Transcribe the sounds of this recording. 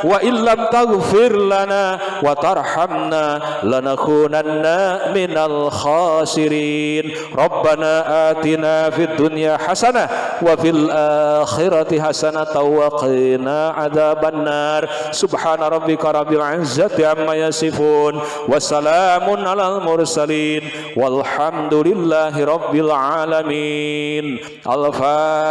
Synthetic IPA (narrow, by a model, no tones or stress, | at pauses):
waʔɪnlamt̪aɣfɪɾlanaː | wat̪ɑrˤħamnalanakuːnanːamɪnalxaːsɪɾiːn | ɾˤɑbːanaːʔaːt̪inaːfiad̪ːʊnjaħasanawafilʔaxɪɾat̪ɪħasanat̪awaqinaːʔaðaːbanːaːrˤsʊbħaːnaɾˤɑbːɪkaɾˤɑbɪalʕɪzːat̪iʕamːajasɪfuːn | wasalamʊnʔalalmʊrˤsaliːn | walħamd̪ʊlɪlːaːɦiɾˤɑbːɪlʕalamin | ʔa̰lfa